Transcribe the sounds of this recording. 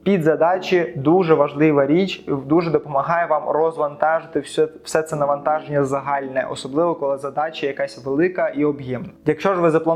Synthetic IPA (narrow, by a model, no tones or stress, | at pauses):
pʲid̪zɐd̪ɑt͡ʃid̪uʐɛʋɐʒlˠɪʋɐɾʲit͡ʃd̪uʐɛd̪ɔpɔmɐɦɑjɛʋɑmrɔzʋɐnt̪ɑʒɪt̪ɪ̥sɛt̪sɛnɐʋɐnt̪ɑʒenʲːɐzɐɦɑlʲnɛ̰ʔɔ̰sɔblˠɪʋɔkɔlˠɪzɐd̪ɑt͡ʃɐjɐkasʲʋelˠɪkɐʔiɔbjɛmnɐjɐkʃɔʒʋɪzɐplˠɐ